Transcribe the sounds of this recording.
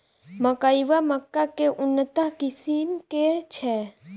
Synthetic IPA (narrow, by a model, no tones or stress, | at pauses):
məkajʋaməkːakeʔʊnːət̪əɦkisimket͡ʃʰɛ